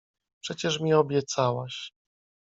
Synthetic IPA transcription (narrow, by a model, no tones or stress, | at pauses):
pʂɛt͡ɕɛʂmʲiɔbʲjɛt̪sawaɕ